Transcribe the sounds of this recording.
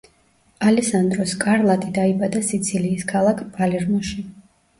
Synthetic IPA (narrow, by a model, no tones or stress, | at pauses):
alɛsand̪ɾɔskʼaɾlˠat̪ʼid̪aibad̪asit̪sʰiliːskʰalˠakʰpʰʼalɛɾmɔʃi